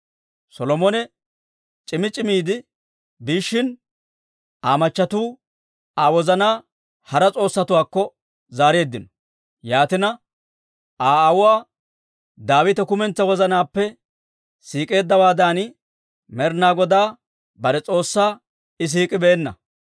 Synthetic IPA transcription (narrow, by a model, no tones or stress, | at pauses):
sɔlɔmɔnɛ | t͡ʃʼɪmɪt͡ʃʼɪmiːd̪ɪ | biːʃːɪn | aːmɐt͡ʃːɐt̪uː | aːwɔzɐnaː | hɐɾɐt͡sʼo̞ːsːɐt̪ʊwaːkːɔ | zaːɾe̞ːd̪ːɪnɔ̥ | jaːt̪ɪnɐ | aːwʊwaː | d̪aːwɪt̪ɛkʊmɛnt͡sːɐwɔzɐnaːpːɛ | siːkʼe̞ːd̪ːɐwaːd̪aːnɪ | mɛɾnaːɡɔd̪aː | bɐɾɛt͡sʼo̞ːsːaː | ɪs̬iːkʼɪbeːnːɐ̰